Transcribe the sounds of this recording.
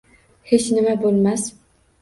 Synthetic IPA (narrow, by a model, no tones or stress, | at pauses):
het͡ʃnɪmabolˠmas